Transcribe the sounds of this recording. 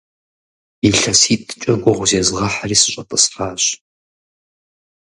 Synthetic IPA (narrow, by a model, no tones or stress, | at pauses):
iɬɐsiːtʼɨ̥t͡ʃʼɐɡʷɔʁʷʊzeːzɨʁɐħariːsɨɕʷʼɐtʼɐsraːɕ